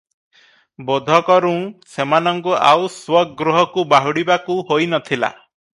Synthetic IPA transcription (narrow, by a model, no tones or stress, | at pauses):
bod̪ʱɔkɔɾũũsemanɔŋkuʔa̰wswɔɡɾuɦɔkubaɦuɽibakuhojnɔt̪ʰila̰